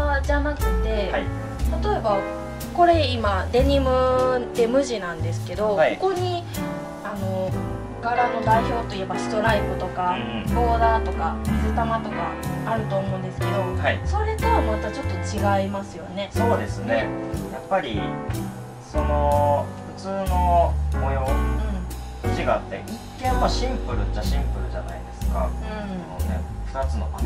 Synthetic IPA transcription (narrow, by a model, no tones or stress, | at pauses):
ad͡ʑanakɯ̟t̪e̞hai | t̪at̪o̞e̞ba | ko̞ɾe̞imad̪e̞ɲ̟imɯ̟d̪e̞mɯ̟ʑinãnd̪e̞sɨ̥ke̞d̪o̞haoko̞ɲ̟i | ano̞ | ɡaɾano̞d̪aiço̞ːt̪o̞ije̞baɕi̥t̪o̞ɾaibɯ̟t̪o̞kabo̞ːd̪aːt̪o̞kaizɨt̪amat̪o̞kaːɾɯ̟t̪oːmo̞ɯ̃nd̪e̞sɨ̥ke̞d̪o̞haiso̞ɾe̞t̪eβamoːet̪ːat͡ɕo̞t̪ːo̞t͡ɕiɡaimasɨjo̞ne̞so̞ːd̪e̞sɨne̞japːaɾʲi | so̞no̞ɸɯ̟t͡sɨːno̞mojoɯ̟̃ɴ | ot͡ɕiɡaːt̪ːe̞̰ɲikẽ̞mmoɕĩmpɯ̟ɾɯ̟t͡ɕaɕĩmpɯ̟ɾɯ̟ʑana̰id̪e̞sɨ̥ka̰ɯ̟̃ɴno̰nḛɸɯ̟̥t̪at͡sɨno̞̰